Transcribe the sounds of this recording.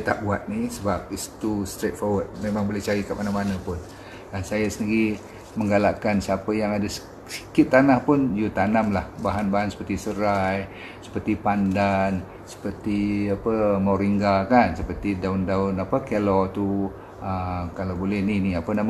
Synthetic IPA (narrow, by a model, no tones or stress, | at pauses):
t̪a̰ʔbuat̪̚nisəbap̚ist̪ust̪ɾet̪̚fɔwəd̪̚memãŋbolɛht͡ʃaɾikaʔ̚manamanapʊn | dansajasəniɾi | məŋɡalaʔkansəapəjaŋadasə̥ | sə̥kɪt̪̚ːanahpʊnjut̪anamlahbaɦanbaɦansə̥pərt̪isəɾaj | sə̥pərt̪ipandan | sə̥pərt̪iapəmoɾiŋɡakansəpərt̪idaundaʊnapəkelɔt̪u | əkalawbolɛhniniapənam